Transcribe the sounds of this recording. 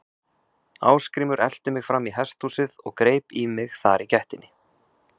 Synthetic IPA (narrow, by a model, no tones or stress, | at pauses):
a̰ːwskɾiːmʏɾʔɛl̥t̪ʏmɪɣfɾamːiɦɛst̪usɪðɔɣkɾeːjpimɪɣθaɾicɛht̪ɪnːɪ